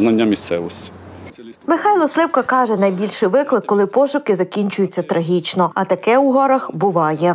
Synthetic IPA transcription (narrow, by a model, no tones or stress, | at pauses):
nɐnʲːɐmʲist̪sɛʋɔsʲtʲi̥ | mɪxɑjlˠɔslˠɪwkɐkɑʒɛnɐjbʲilʲʃɪʋɪklˠɪkːɔlˠɪpɔʃʊkɪzɐkʲinʲt͡ʃʊjʊt͡sʲːɐt̪ɾʔɐɦʲit͡ʃnɔɐt̪ɐkɛuɦɔɾɐxbʊʋɑjɛ